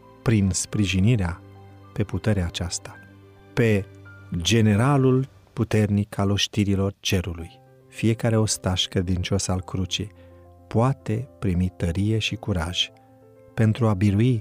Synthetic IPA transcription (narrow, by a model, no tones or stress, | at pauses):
pɾinspɾiʒiniɾea | pe̞put̪e̞ɾeaːt͡ʃast̪ḁ | pe̞ | d͡ʒe̞ne̞ɾalul | put̪e̞rnikʰalo̞ʃt̪iɾilo̞rt͡ʃe̞ɾuluj | fije̞kaɾe̞o̞st̪aʃkɾe̞d̪int͡ʃo̞salkɾut͡ʃej | poat̪e̞pɾimit̪əɾije̞ʃikuɾaʒ̥ | pe̞nt̪ɾuabiɾui